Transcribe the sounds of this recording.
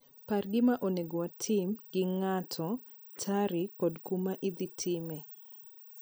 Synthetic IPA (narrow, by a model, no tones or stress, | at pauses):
parɡɪmaʔoneɡowatʰɪmɡ̥ɪŋatʰɔ | tʰaɾɪkɔdkumaʔɪd̪itʰɪme